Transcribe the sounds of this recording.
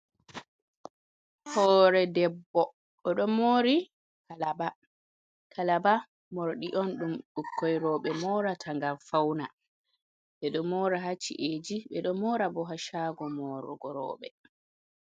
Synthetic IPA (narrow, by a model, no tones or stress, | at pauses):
hɔːɾɛdɛbːɔ | ɔɗɔmoɾi | kalaba | kʰalaba | moɾɗiʔɔnɗumɗukʰːɔjɾɔːɓɛmɔːɾatʰaŋɡalfawna | ɓɛɗɔmɔːɾaɦat͡ʃːḭʔed͡ʒiɓɛɗɔmɔːɾabɔɦaʃaːɡɔmɔɾɔ̰ɡɔɾɔ̰ːɓɛ̰